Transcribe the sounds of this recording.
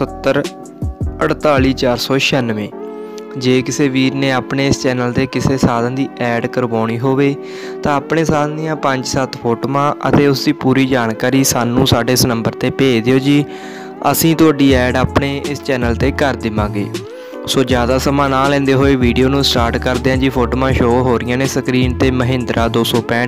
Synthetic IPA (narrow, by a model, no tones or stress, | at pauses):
ət̪ːəɾ | əɽt̪aːliːt͡ʃaːɾsɔːʃənʋẽː | d͡ʒeːkɪseːʋiːɾneːaːpɳeːɪst͡ʃɛːnəlt̪eːkɪseːsaːd̪ãːd̪iːʔɛːɖkəɾʋaːɳiːɦoːʋeː | t̪ãːaːpɳeːsaːd̪̃nd̪ɪjãːpə̃ɲd͡ʒsət̪pʰoːʈoːmãːʔə̰t̪eːʊsd̪iːpuːɾiːd͡ʒaːɳkaːɾiːsaːnũːsaːɖeːɪsnəmbəɾt̪eːpeːd͡ʒd̪ɪjoːd͡ʒiː | ə̰sĩːt̪ʊaːɖiːɛːɖaːpɳeːʔɪst͡ʃɛːnəlt̪eːkəɾd̪ɪmãːɡḛː | soːd͡ʒjaːd̪aːsəmãːnaːlɛ̃ːnd̪eːɦoːeːʋiːɖijoːnũːsʈaːɾʈkəɾd̪eːãːd͡ʒiːpʰoːʈoːmãːʃoːɦoːɾɪjãːneːsəkɾiːɳt̪eːməɦɪ̃nd̪ɾʔaːd̪oːsɔːpɛ̃ːɳ